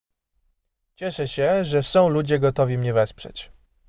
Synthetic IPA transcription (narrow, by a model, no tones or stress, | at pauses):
t͡ɕɛʂɛɕɛʐɛsɔ̃w̃lud͡ʑɛɡɔt̪ɔvʲimɲɛvɛspʂɛ̰t͡ɕ